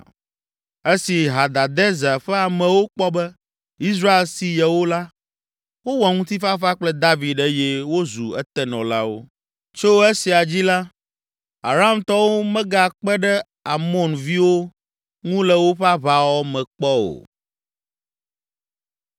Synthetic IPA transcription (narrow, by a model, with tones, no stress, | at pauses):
e˦si˨ɦa˨d̪a˨d̪ɛ˦za˨ɸɛ˦a˨mɛ̃˨wo˦k͡pɔ˦bɛ˦ | i˦sɾa˦e˨lsi˨jɛ˨wo˦la˦ | wo˦wɔ˨ŋũ˦t̪i˦fa˦fa˦k͡plɛ˦d̪a˦vi˨d̪ɛ˦jɛ˦wo˦zṵ˨ɛ˦t̪ɛ˦nɔ̰̃˨la̰˦wo̰˦ | t͡ʃo˦e˦si˨a˨d͡ʑi˦la˦ | a̰˨ɾa˨˦a˦˨mt̪ɔ˦wo˦mɛ̃˦ɡa˨k͡pɛ˦ɖɛ˦ | a˨mɔ̃˦nvi˦wo˦ | ŋũ˦lɛ˨wo˦ɸa˦βa˨wɔ˦mɛ̃˨k͡pɔ˦o̰˨